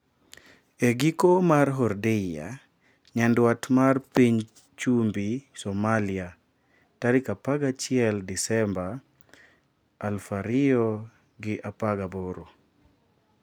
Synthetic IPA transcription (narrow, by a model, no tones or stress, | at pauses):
eɡikomaɾɦɔɾdija̰ | ɲandwatmarpiɲ | t͡ʃumbisɔmalia | taɾikapaɡat͡ʃɪɛldisɛmba | lfaɾiɔ | ɡɪʔapaɡaboɾo